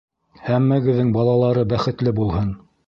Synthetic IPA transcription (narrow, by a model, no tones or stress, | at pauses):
hæmːæɡɘ̆ðːɘŋbɑlˠɑlˠɑɾɤbæχɘ̆t̪lɘbulˠhɤn